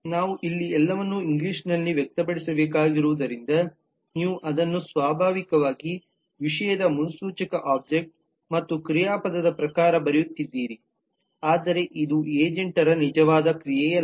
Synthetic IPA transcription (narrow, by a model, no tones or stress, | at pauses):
naːʋuʔilːiɛlːɐʋɐnːuiŋɡliːʂnɐlːiʋjɛk̚t̪ɐbɐɽisɐbeːkaːɡiɾuʋud̪ɐɾind̪ɐ | niːʋuʔɐd̪ɐnːusʋaːbʱaːʋikɐʋaːɡi | ʋiʂɐjɐd̪ɐmunusuːt͡ʃɐkɐʔaːb̚d͡ʒek̚ʈ̚ | mɐt̪ːukɾijaːpɐd̪ɐd̪ɐpɾɐkaːɾɐbɐɾɛjut̪ːid̪ːiːɾi | aːd̪ɐɾe̞ʔid̪uʔeːd͡ʒeɳʈɐɾɐnid͡ʒɐʋaːd̪ɐkɾijɛjɐ